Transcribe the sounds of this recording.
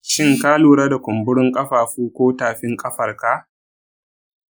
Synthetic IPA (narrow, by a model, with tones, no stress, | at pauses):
ʃɪ˦ŋkaː˦luː˨ɽa˦da˨kʷʊ˨mbʊ˦ɽʊ˦ŋkʼɐ˦ɸaː˨ɸuː˦kʷoː˦taː˨ɸɪ˦ŋkʼɐ˦ɸɐ˨rka˦